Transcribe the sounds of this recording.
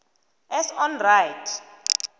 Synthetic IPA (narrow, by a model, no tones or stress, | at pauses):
ɛsɔnrajtʰ